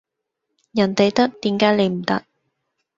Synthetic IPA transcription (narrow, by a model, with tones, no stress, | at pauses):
jɐ˨˩nt̪e˨jt̪ɐ˥k̚t̪iː˨˥mkaː˨˥jle˨˧jm̩˨˩t̪ɐ˥k̚